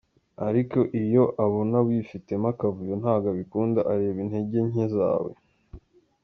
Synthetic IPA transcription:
aɾiko̞ʔijo̞ʔaβonaβwifite̞makavujonhaːɡaβikuːndaʔaɾe̞ːβinhe̞ɟe̞ɲ̥eza̰ːwe̞̰

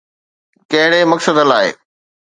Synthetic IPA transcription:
kɐ̃ɦɪɽemɐksəd̪əlaːḛː

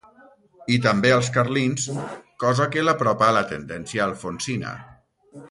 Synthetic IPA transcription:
it̪əmbeəlˠs̬kaɾlinskɔzakelapɾɔpaːlət̪ə̰nd̪ɛnsjaːlˠfonsina̰

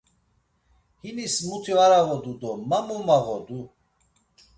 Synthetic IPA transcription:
hinismut̪ʰivaɾavɔd̪ud̪ɔmamumaɣɔd̪u

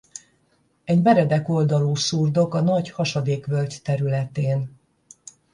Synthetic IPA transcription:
ɛɟmɛɾɛd̪ɛko̞ld̪ɒloːsurd̪o̞kɒnɒɟhɒʃɒd̪eːkʋølct̪ɛɾylɛt̪eːn

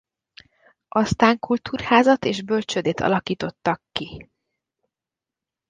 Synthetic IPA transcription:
ʔɒst̪aːŋkult̪uːrhaːzɒt̪eːʒbø̞lt͡ʃød̪eːt̪ʰɒ̰lɒkiːt̪o̞t̪ːɒkːi

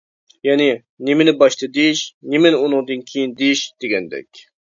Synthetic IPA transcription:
jɛnɪ | nɪmɪnɪbɑʃt̪ʰɨd̪eʃnemɪnunɨŋd̪ɨnkʲʰejind̪eʃd̪̥eɡʲɛnd̪ɛ̰kʲ

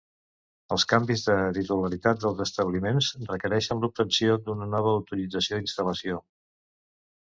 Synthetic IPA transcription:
əlˠskambizðət̪it̪uləɾit̪at̪̚d̪əlˠzəst̪əβlimenzrəkəɾɛʃənlup̚t̪ənsiod̪unənɔβ̞əːwt̪uɾid͡zəsiod̪inst̪ələsio

